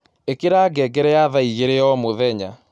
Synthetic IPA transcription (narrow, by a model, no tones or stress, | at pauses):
ekeɾaːɡɛɡɛɾɛjaðaiɣeɾeɔmoðɛɲa